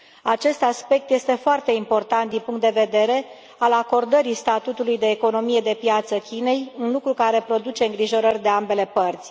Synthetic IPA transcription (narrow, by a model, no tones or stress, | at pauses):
at͡ʃe̞st̪aspe̞k̚t̪jest̪e̞foart̪e̞impo̞rt̪ant̪̚d̪inpuŋkt̪d̪eve̞d̪e̞ɾe̞ | alako̞rd̪əɾist̪at̪ut̪ulujd̪e̞ːko̞no̞mije̞d̪e̞pjat̪səkʲine̞junlukɾukaɾe̞pɾo̞d̪ut͡ʃe̞ɨŋɡɾiʒo̞ɾərʲd̪e̞ambe̞le̞pərt̪sʲ